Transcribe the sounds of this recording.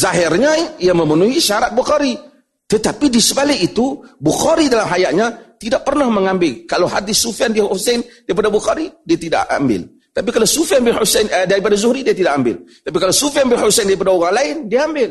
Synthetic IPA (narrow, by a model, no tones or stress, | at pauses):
zaɦɪrɲaiaməmənuɦiʃaɾat̪̚buxaɾi | t̪ət̪apidisəbalɪkit̪ubuxaɾidalamɦajaʔɲat̪idaʔ̚pərnahməŋambɪlkalawɦad̪ɪsːufiandiahusɛndaɾip̬adabuxaɾidiat̪ida̰ʔa̰mbɪ̰l | t̪ap̬ikalasufiambɪlhusɛnədaɾipadazʊhɾidiat̪idaʔambɪ̰lt̪ap̬ikalasufiambɪlhusɛndaɾipadaoɣaŋlaɪndiaambɪl